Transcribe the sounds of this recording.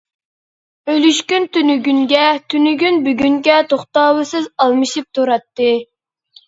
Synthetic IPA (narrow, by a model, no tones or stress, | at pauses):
øjlyʃkʲynt̪ynyɡʲynɡʲɛt̪ʰynyɡʲynbyɡʲyŋɡʲɛt̪ʰoχt̪ɑːwɨsɨzɑlˠmɨʃip̚t̪ʰuɾɑt̪ːɨ